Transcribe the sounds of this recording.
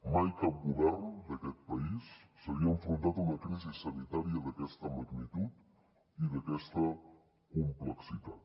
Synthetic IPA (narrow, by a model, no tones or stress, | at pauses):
majkap̚ɡuβɛɾnd̪əkɛt̪̚pɐisː | əβiəeɱfɾunt̪at̪unəkɾizisːənit̪aɾiəðəkɛst̪əmaɡnit̪ut̪ | iðəkɛst̪ə | kumpləksit̪at̪